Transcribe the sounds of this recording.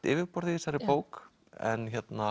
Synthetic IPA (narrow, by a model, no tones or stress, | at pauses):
t̪ɪːvɪɾpɔɾðisaɾɪpoːwk | ɛ̰nçɛt̪na